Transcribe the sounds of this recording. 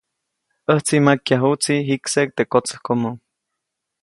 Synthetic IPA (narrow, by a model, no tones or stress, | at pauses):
əht͡simakjaɦut͡siɦiksek̚t̪ekot͡sə̥hkomo